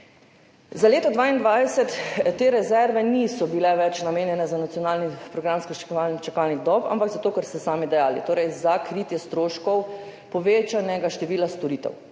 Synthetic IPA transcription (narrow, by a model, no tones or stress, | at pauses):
zaleːt̪ɔd̪ʋaːind̪ʋajsɛt̪ːeːɾɛzɛɾʋɛnisɔbilɛʋɛt͡ʃnameːnjɛnɛzanat̪sijɔnaːlnipɾɔɡɾamskɔt͡ʃant͡ʃakalnid̪ɔpa̰mpaɡzat̪oːkɛɾst̪ɛsaːmid̪ɛjaːlḭt̪oːɾɛjzakɾiːt̪jɛst̪ɾoːʃkɔw | pɔʋeːt͡ʃanɛɡaʃt̪ɛʋiːlast̪oɾiːt̪ɛ̰w